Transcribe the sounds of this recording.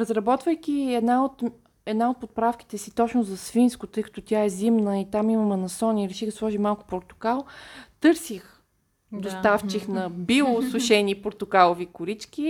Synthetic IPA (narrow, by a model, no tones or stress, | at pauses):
ɾɐzɾɐbɔt̪vəjkʲiɛd̪naot̪ | ɛd̪naot̪̚pot̪̚pɾafki̥t̪ɛsit̪ɔt͡ʃnʊzɐsfinskʊt̪ɤjkɐ̥t̪ɔt̪ʲjaɛzimnəit̪amimɐmɛnɐsɔnʲiɾɛʃiɣd̪ɐslˠɔʒimalˠkʊ̥poɾt̪ʊ̥kalˠt̪ɤɾsix | d̪ost̪aft͡ʃixnɐbilˠosʊʃɛnipoɾt̪ʊkalˠovikʊɾit͡ʃkʲi